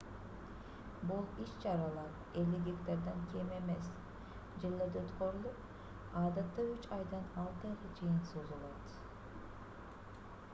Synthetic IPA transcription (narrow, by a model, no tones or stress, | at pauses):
bulˠiʃt͡ʃɑɾɑlˠɑɾ | eliɡʲikt̪eɾd̪eŋkʲʰeme̞mes | d͡ʒɯlˠːed̪øt̪køɾylyp | ɑːd̪ɑt̪ːɑyt͡ʃɑjd̪ɑnɑlˠt̪ɯʁɑt͡ʃʰɯjɯnsozulˠɑt̪